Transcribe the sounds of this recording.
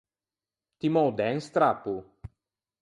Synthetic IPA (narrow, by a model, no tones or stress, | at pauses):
t̪imɔwd̪ɛnst̪ɾapu